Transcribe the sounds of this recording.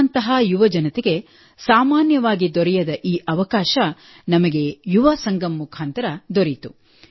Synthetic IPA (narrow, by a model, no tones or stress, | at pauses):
nt̪ɐɦajuʋɐd͡ʒɐnɐt̪eɡe̞ | saːmaːnjɐʋaːɡid̪ɔɾɛjɐd̪ɐʔiːʔɐʋɐkaːʃɐ | nɐmɐɡe̞juʋɐsɐŋɡɐmːukʰaːnt̪ɐɾɐd̪oɾit̪u